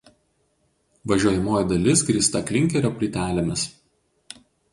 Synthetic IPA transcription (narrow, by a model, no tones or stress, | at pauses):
ʋɐʒʲuɔjɛmoːjiˑd̪ɐlʲɪsɡɾʲiːst̪ɐklʲɪŋʲkʲɛɾʲoːpʲlʲit̪ʲæːlʲemʲɪs